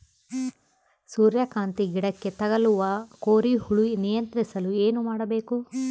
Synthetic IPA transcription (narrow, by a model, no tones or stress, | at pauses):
suːɾjɐkaːnt̪iɡiɽɐkːe̞t̪ɐɡɐluʋɐkoːɾihuɭunijɐnt̪ɾisɐlueːnumaːɽɐbe̞ːku